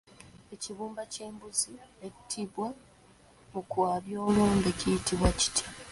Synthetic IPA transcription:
e̞ciβuːmbace̞ːmbuzietʰːiβwa | mukwaːβjo̞ːluːmɡecijitiβwaci̥tʰja

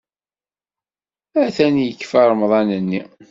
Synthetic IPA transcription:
æθænjəkːfæɾˤəmðˤɑnənːi

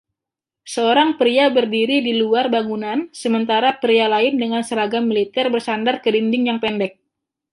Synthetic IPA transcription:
səoɾaŋpɾiabərdiɾidiluarbaŋunansəmənt̪aɾapɾialaɪndəŋansəɾaɡamilit̪ɛrbərsandarkədindɪŋjaŋpɛndɛk̚

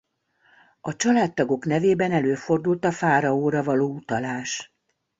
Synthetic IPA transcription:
ɒt͡ʃɒlaːt̪ːɒɡo̞kn̪ɛveːbɛnɛløːfo̞rd̪ult̪ɒfaːɾɒoːɾɒvɒloːut̪ɒlaːʃ

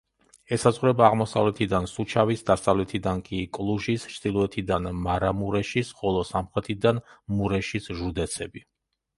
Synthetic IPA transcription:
ɛsazʁuɾɛbaːʁmɔsa̰vlɛt̪ʰid̪ansut͡ʃʰavisd̪asavlɛt̪ʰid̪ankʼikʼlˠuʒist͡ʃʰd̪̥ilˠɔɛt̪ʰid̪anmaɾamuɾɛʃisχɔlˠɔsamχɾɛt̪ʰid̪anmuɾɛʃisʒud̪ɛt̪sʰɛbi

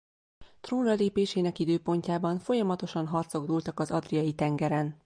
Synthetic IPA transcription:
t̪roːnrɒleːpeːʃeːnɛkid̪øːpo̞ɲcaːbɒɱfo̞jɒmɒt̪o̞ʃɒnɦɒrt̪so̞ɡd̪ult̪ɒkɒzɒd̪rijɒjit̪ɛŋɡɛɾɛn

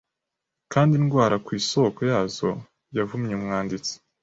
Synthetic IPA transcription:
kaːndinɡwaːɾakwiːso̞kojaːzo̞̰ | javumɲemŋaːndit͡se̥

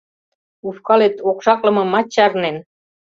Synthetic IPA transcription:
ufkɑlet̪okʃɑklɤ̆mɤ̆mɑt͡ɕɑrnen

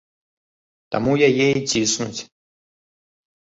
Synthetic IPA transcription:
t̪a̰mujajejt͡sʲisnut͡sʲ

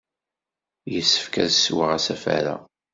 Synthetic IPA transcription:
jəsːə̥fkæðsːwəʁæsæfæ̰ɾa̰

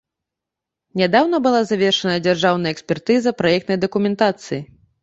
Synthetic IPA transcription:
nʲad̪awnɐbɨlˠazavʲɛrʂɐnɐɐd͡zʲarʐawn̪ɐjɐɛksʲpʲɛrt̪ɨzɐpɾajɛk̚t̪nɐjd̪ɐkumʲɛnt̪at̪sɨji

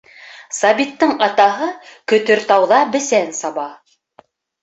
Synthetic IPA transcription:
sɑβit̪ːɤŋɑt̪ɑɦɤkɵ̆t̪ɵɾt̪ɑwðɑbɘ̆sænsɑβɑ

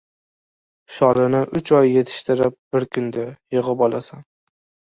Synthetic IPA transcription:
ʃɒlɪnɪʔʊt͡ʃʰɒjːe̞t̪ʰɪ̥ʃt̪ɪɾɪp̚b̥ɪɾkʲʰʊnd̪ajɨʁɨpɒlˠasan

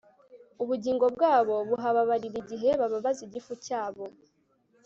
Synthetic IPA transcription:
uβuɟiːŋɡo̞bɡaːβo̞βuɦaβaβaɾiɾiɟiɦe̞βaβaβaziɟifucaːβo̞

